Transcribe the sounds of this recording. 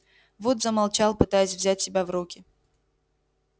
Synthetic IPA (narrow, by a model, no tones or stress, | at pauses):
vot̪zəmɐlˠt͡ɕalˠpɨt̪ajɪsʲvzʲætʲsʲɪbʲavɾukʲɪ